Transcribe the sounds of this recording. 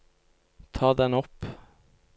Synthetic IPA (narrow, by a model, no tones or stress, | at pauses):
t̪ʰɑːd̪ɛnɔp